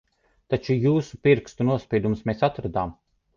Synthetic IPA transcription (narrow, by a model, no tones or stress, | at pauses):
t̪at͡ʃujuːsupiɾkst̪unuɔspʲiɛd̪umsmeːsat̪ɾad̪aːm